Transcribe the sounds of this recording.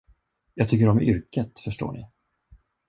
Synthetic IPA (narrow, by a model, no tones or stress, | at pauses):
jɑːɡ̚t̪ʰʏkːəɾɔmʏɾkət̪fœʂʈo̰ːɳʔɪ̰